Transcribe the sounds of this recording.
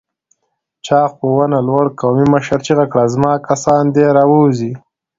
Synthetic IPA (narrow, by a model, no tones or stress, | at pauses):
t͡ʃɑːxpowanalwaɽkɑmiməʃaɾt͡ʃiɣakɽazmɑːkasɑnd̪eɾɑwozi